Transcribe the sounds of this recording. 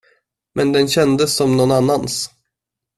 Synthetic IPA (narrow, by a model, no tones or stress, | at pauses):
mʔɛnd̪ɛnɕɛnd̪əsːɔmnɔnanːans